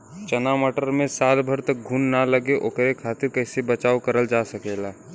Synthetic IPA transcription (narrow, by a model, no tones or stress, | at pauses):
t͡ʃənamɔʈəɾmẽsaːlbʱəɾt̪ək̚ɡʱuːnːaləɡeʔokɾekʰaːt̪ɪɾkəɦɪsebət͡ʃaːukəɾəld͡ʒasəkelaː